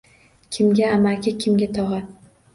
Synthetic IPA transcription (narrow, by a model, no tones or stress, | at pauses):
kʲʰɪmɡʲaamakʲɪkʲʰɪmɡʲat̪ʰɒʁa